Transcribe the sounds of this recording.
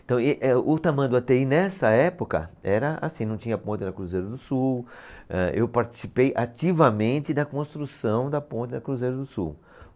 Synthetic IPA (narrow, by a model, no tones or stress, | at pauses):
t̪ɐ̃w̃eʔɛʊt̪amɐ̃d̪ʊat̪einɛsɐɛpokɐ̰ɛɾɐa̰sĩnɐ̃w̃t͡ʃĩɲɐpõnt̪ɪnɐkɾuzejɾɐd̪ʊsuwɛʔewpaɾt͡ʃi̥sipejʔat͡ʃivɐmẽnt̪ɪd̪ɐkõst̪ɾusɐ̃w̃d̪ɐpõnt̪ɪnɐkɾuzejɾɐd̪ʊsṵw